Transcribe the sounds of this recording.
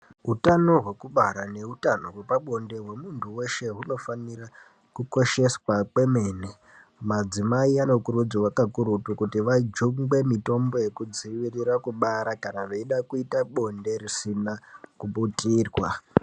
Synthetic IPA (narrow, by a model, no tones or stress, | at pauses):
ɦutano̞ɦwe̞kuɓaɾane̞ɦutano̞ɦwe̞paɓo̞nde̞ɦwe̞muntʰuwe̞ʃe̞ɦuno̞fanira | kuko̞ʃe̞swakwe̞me̞ne | mad͡zimaiano̞kurud͡ziwakakuɾutukutiʋad͡ʒuŋɡwe̞mito̞mbo̞je̞kud͡ziʋiriɾakuɓaɾakanaʋeiɗakuitaɓo̞nde̞risinakuɓutiːrwa